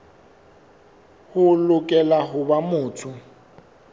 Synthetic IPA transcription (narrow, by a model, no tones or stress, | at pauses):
hʊlʊkʼɛlaɦʊbamʊːtʰʊ